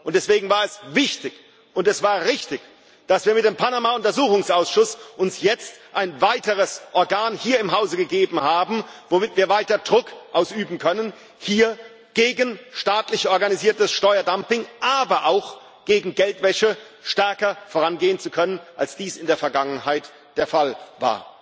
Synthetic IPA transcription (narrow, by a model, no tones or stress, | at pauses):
ʔʊntd̥ɛsv̥eːɡŋ̩vaːɐɛsv̥ɪçtɪç | ʔʊntɛsv̥aːɐʁɪçtɪç | d̥asv̥iːɐmɪt̚d̥eːmpʰanamaʊntɐzuːxʊŋsʔaʊsʃʊsʔʊnsjɛt͡stʔaɪnvaɪtəʁəsʔɔɐɡaːnhiːɐɪmɦaʊzəɡəɡeːbm̩haːbm̩vomɪtviːɐvaɪtɐdʁʊkʔaʊsʔyːbm̩kʰœnən | hiːɐ | ɡ̥eːɡənʃtaːtlɪçʔɔɐɡaniziːɐtəsʃtɔʏɐdampɪŋʔaːbɐʔaʊx | ɡ̥eːɡŋ̩ɡɛltv̥ɛʃə | ʃtɛɐkɐfoːʁanɡeːənt͡sukʰœnənʔalsd̥iːsɪndeːɐfɛɐɡaŋənhaɪt | d̥eːɐfalva̰ːɐ